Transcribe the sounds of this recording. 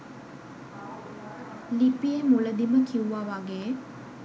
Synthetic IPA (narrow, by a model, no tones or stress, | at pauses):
lipiemuləd̪iməkiuʋaːʋaɡej